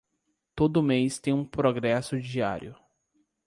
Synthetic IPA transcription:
t̪od̪ʊmejst̪ẽj̃ũpɾoɡɾɛsʊd͡ʒia̰ɾjʊ

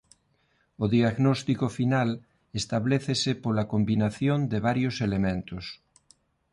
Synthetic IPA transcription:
oðiaɣnost̪ikofinal | est̪aβleθesepolakombinaθjond̪eβ̞aɾjoselemẽnt̪os

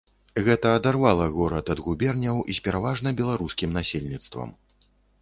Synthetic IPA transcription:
ɣɛt̪ɐːd̪arvalˠɐɣɔɾɐt̪ɐd̪ɣubʲɛrnʲɐwʔisʲpʲɛɾavaʐnɐbʲɛlˠaɾuskʲimnasʲelʲnʲit̪st̪vɐ̰m

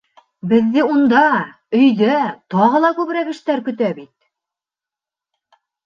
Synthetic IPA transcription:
bɘ̆ðːɘund̪ɑ | ɵ̆jðæt̪ɑʁɤ̆lˠɑkʉβɾækɘ̆ʃt̪æɾkɵ̆t̪æbit̪̚

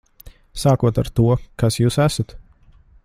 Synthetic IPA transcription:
saːkuɔt̪aɾt̪uɔkasjuːsæsat̪

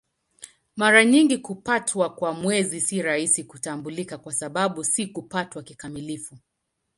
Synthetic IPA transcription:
maɾaɲiŋɡikupatʰwakwamwɛzisiɾaisikutambulikakwasaɓaɓusikupatwakikamilifu

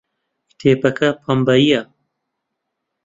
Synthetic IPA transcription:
kt̪ʰeːpɐkʰɐpʰɐmbɐijɐ

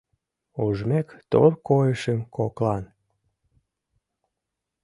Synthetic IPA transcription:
oʒmekt̪o̰rkojəʃəmkoklɑn

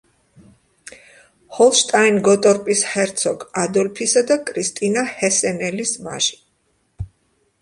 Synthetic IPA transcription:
hɔlˠʃt̪ʼainɡɔt̪ʼɔɾpʼishɛɾt̪sʰɔɡad̪ɔlpʰisad̪akʼɾist̪ʼinahɛsɛnɛlisma̰ʒi̥

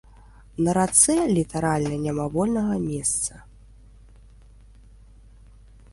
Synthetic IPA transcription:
nɐɾat̪sɛlʲit̪aɾalʲnɐnʲamavɔlʲnɐɣɐmʲɛst̪sɐ

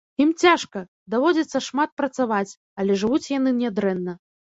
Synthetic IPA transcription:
imt͡sʲaʂkɐ | d̪avɔd͡zʲɐt̪sːɐʂmat̪̚pɾɐt̪savat͡sʲ | ɐlʲɛʐɨvut͡sʲjan̪ɨnʲɛd̪ɾɛnːɐ

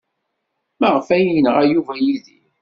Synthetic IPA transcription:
məʁfæjinʁæjuvæjiðḭ

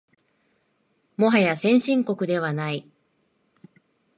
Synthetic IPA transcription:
mo̞ɦajasẽ̞ɰ̃ɕĩŋko̞kɯ̟d̪e̞β̞anai

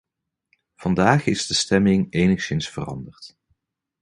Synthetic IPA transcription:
v̥ɑndaːχɪzdəstɛmɪŋejnəχsɪnsfərɑ̰ndərt

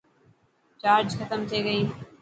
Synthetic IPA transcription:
t͡ʃaːɾd͡ʒxət̪əmt̪ʰiːɡəiː

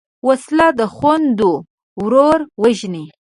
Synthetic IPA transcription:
waslɑd̪əxwand̪o | wɾoɾwaʒni

